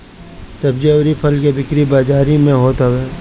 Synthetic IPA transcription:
sɐbd͡ʒeʋɾipʰɐlkebɪkɾibaːd͡ʒaːɾimẽɦoːt̪awɛː

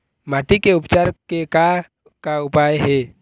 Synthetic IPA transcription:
maːʈikeʊpt͡ʃaːɾkeka | kaʊpaːjɦɛ

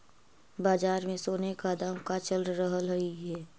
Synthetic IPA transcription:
baːd͡ʒaːɾmẽsoːnekad̪aːmkat͡ʃəlɾəɦəlɦəiɦɛː

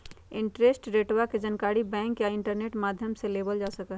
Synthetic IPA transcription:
ɪ̃ɳʈɾeːsʈɾeːʈwaked͡ʒənkaːɾibɛ̃ːŋkjaɪ̃ɳʈəɾneːʈmaːd̪ʱjəmseleːbəld͡ʒasəkə

